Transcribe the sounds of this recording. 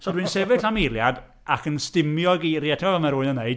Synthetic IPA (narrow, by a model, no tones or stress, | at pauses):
sɔdwɨnsɛvɪɬamilˠjad | akʰənstɪmjɔɡiɾjatʰɪmavəmaɾʊɨnənːeɨd̥